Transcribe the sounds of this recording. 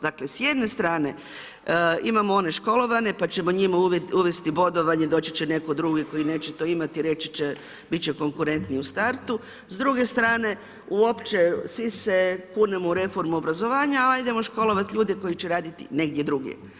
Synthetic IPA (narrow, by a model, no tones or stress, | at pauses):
d̪akle̞sjed̪ne̞st̪ɾaːne̞ | imamoo̞ne̞ʃko̞lo̞ʋane̞pat͡ɕe̞mo̞ɲimauuʋe̞st̪ibo̞d̪o̞ʋaɲe̞d̪o̞ːt͡ɕe̥t͡ɕene̞ko̞d̪ɾuɡeko̞jine̞ːt͡ʃet̪o̞imat̪iɾe̞t͡ʃi̥t͡ʃe | bit̪̚t͡ɕeko̞ŋkuɾe̞nt̪niust̪aɾt̪u | zd̪ɾuɡe̞st̪ɾaːne̞ | uo̞pt͡ʃe̞sʋise̞kuːnemouɾe̞fo̞ɾmuobɾazo̞ʋaːɲaalid̪emo̞ʃko̞lo̞ʋat̪ʎuːd̪eko̞jit͡ɕeɾaːd̪it̪ḭne̞ɡd̪jed̪ɾuɡjḛ